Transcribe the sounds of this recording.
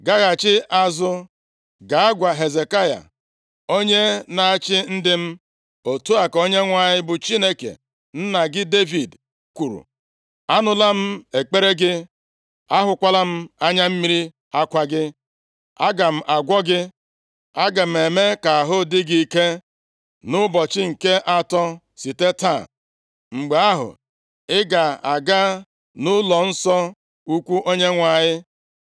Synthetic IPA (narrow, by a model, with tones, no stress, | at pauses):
ɡa˦ɣa˨t͡ʃɪ˦ʔa˦zʊ˦ | ɡa˨a˦ɡʷa˨ɦe˨ze˨ka˦ja̰˨ | o˦ɲe˦na˨a˦t͡ʃɪ˦n̩˦dɪ˦m̩˦ | o˨tu˦a˨ko˦ɲe˦ŋʷa˦˨ɲɪ˦bʊ˨t͡ʃi˦ne˦kḛ˨ | n̩˦na˨ɡɪ˦de˦vi˨d | kʷu˨ɾṵ˨ | a˦nʊ˦la˦m̩˦e˨k͡pe˦ɾe˦ɡɪ˦ | a˦ɦʊ˨kʷa˦la˦m̩˦a˦ɲa˦m̩˦mi˦ɾi˦ | a˦kʷa˦ɡɪ˦ | a˦ɡa˨m̩˦ʔa˨ɡʷɔ˦ɡɪ˦ | a˦ɡa˨m̩˨e˨me˦ka˨a˨ɦʊ˦dɪ˦ɡi˦i˦ke˦ | nʊ˦bɔ˨t͡ʃɪ˦ŋ̩˨ke˦ʔa˦tɔ˦ | si˨te˦ta˦˨ | ŋ͡m̩˨ɡ͡be˨a˦ɦʊ̰˨ | ɪ˦ɡa˨a˨ɡa˦ | nʊ˦lɔ˨n̩˦sɔ˦ | u˦kʷu˦ʔo˦ɲe˦ŋʷa˨ɲɪ˦